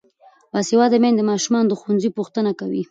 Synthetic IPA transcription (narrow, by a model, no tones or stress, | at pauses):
wasiwɑd̪əmend̪əmɑʃumɑnod̪əxanzipuxt̪ənakawi